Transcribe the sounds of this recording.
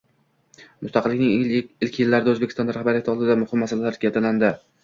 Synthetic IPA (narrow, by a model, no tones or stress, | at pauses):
mʊst̪ɑqʰɨlːɪkʲnɪŋɪlkʲʰjɪlːaɾɪd̪aɵzbekʲʰɪst̪ɒnd̪aɾahbaɾjat̪ɪɒlˠd̪ɪd̪amʊhɪmːasalalaɾɡʲat̪ʰaland̪ɪ